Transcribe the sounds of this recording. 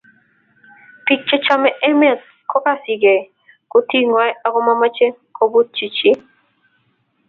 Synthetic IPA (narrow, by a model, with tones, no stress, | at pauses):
pi˦t͡ʃe˦t͡ʃa˦mɛ˦ʔɛ˦mɛ˦˨s | kʰɔ˦ka˦si˨ɡe˨ | kʊ˦ti˦ŋa˦ja˦kɔ˦ma˦ma˦t͡ʃe˦kʰo˦bu˦t̪̚t͡ʃi˨t͡ʃi˦